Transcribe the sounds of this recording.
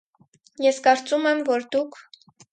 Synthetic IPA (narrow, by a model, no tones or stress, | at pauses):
jɛskɑɾt͡sumɛmvɔɾd̪ukʰ